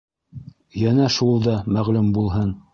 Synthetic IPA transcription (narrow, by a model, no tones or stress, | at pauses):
jænæʃulˠd̪ɑmæʁlʉmbulˠɦɤn